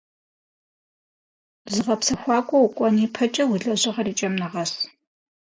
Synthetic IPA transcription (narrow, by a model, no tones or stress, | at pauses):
zɨʁɐpsɐxʷɑːkʷʼɔwʊkʷʼɔniːpʰɐt͡ʃʼɐwʊɮɐʑɪʁɐriːt͡ʃʼɐmnɨʁɐs